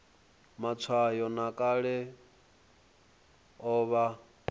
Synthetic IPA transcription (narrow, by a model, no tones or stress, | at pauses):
mat͡sʰwajɔnakʼaɺɛ | ɔːβa